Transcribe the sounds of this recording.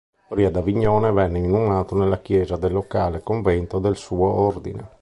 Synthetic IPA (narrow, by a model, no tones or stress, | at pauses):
oɾiːad̪aviɲːɔːnevɛnːeinumaːt̪onelːak̟jɛːzad̪elːokaːlekoɱvɛnt̪od̪elsuːoɔrd̪ḭnḛ